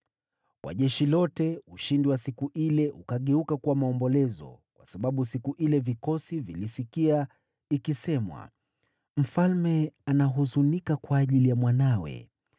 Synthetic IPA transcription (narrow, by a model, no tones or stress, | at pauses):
kwa̰ʄɛʃilɔtɛuʃindiwasikuʔilɛʔukaɠɛukakuwamaɔmbɔlɛzɔ̰kwasaɓaɓusikuʔilɛvikɔsivilisikia | ikisɛmwa̰ | m̩falmɛanaɦuzunikakwaːʄilijamwanawɛ̰